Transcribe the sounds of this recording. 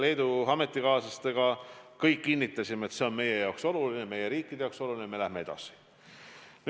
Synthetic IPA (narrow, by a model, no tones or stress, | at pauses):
le̞jd̪uɑme̞t̪ːˑikɑːsɑst̪eɡ̥ɑkɤjkːinʲːit̪ːˑɑsʲimeet̪se̞o̞nme̞je̞jɑokso̞lulineme̞je̞ɾiːkːˑid̪e̞jɑˑokso̞lulʲineme̞læhmee̞d̪̥ɑ̰si̥ | n